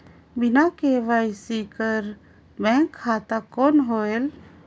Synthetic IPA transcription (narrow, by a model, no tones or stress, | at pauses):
binakeʋajsikəɾ | bɛ̃kʰːaːt̪akoːnɦoel